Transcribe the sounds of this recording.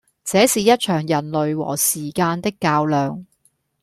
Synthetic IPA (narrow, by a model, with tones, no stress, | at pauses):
t͡sɛː˨˥siː˨jɐ˥t̚t͡ʃʰœː˨˩ŋjɐ˨˩nlɵ˨ɥwɔ̰ː˨˩siː˨˩kaː˧nt̪ɪ˥kːaː˧wlœː˨ŋ